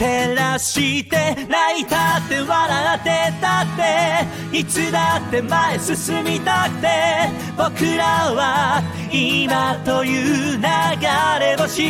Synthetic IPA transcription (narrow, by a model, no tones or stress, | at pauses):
t̪e̞ɾaɕit̪e̞nait̪at̪ːe̞βaɾat̪et̪at̪ːe | it͡sɨd̪at̪ːe̞maesɨsɨmʲit̪akɯ̟̥t̪e̞ | bo̞kɯɾaβa | imat̪o̞jɯnaɡaɾemaɕi